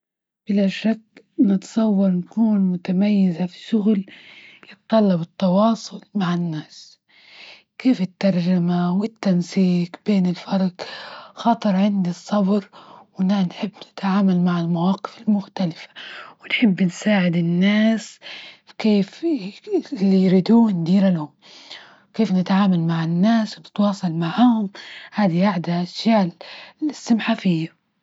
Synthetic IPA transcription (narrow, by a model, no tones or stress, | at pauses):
b̥ɪlaʃakː | nɨt̪sˤɑwːɑɾˤnkuːnmʊt̪amajːɪzafi̥ʃʊɣljɨt̪t̪ˤːɑlːɑbɨt̪ːɑwɑːsˤʊlmaʕɪnːaːs | keːfɪt̪ːɑɾˤd͡ʒamawɪt̪ːansiːqbeːnɪlfɑɾˤɑɡxɑːt̪ˤɨɾˤʕɪnd̪isˤːɑbɾwɪnanħɪbːnɪ̥t̪ʕaːmalmaʕɪlmawɑːqɨ̥fɪlmʊxt̪alɪfḁwɪnħɪbːnsaːʕɪd̪ɪnːaːskeːf | lːijɾid̪uːnd̪iːɾalahʊm | keːfnɪt̪ʕaːmalmaʕɪnːaːswnɪt̪wɑːsˤɑlmaʕahʊmhaːd̪iʔaʕd̪aʔaʃjaːʔɪstɪmħaːfɪjːa